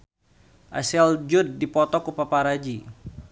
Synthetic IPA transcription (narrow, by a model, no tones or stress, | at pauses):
ʔa̰sɛld͡ʒud̪dipɔt̪ɔkupapaɾad͡ʒi